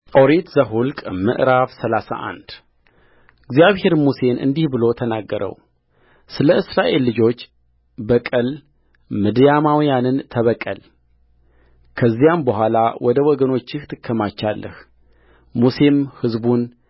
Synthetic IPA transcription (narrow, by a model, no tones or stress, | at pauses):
ʔoɾet̪zəɦulkʼmɨ̰ʔɾaβsəlasa̰ʔa̰nd̪̥ | ɨɡzjaβhe̞ɾmuse̞nʔɨ̰nd̪ihbɨlo̞t̪ʰənaɡːəɾʔə̰w | sɨləɨsɾaʔe̞lːɨd͡ʒo̞t͡ʃː | bəkʼəl | mɨd̪jamawjanɨnt̪ʰəβəkʼːəl | kʰəzːijambəhʷalawʔɔd̪əwɔɡəno̞t͡ʃːɪht̪ʰɨkʰːəmat͡ʃːalːə̰h | muse̞mhɨzbun